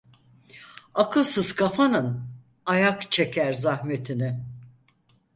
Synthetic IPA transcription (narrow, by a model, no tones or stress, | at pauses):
akʰɯlˠsɯzkʰafanɯn | ajakt͡ʃʰe̞cʲʰæɾzahme̞t̪ʰinɪ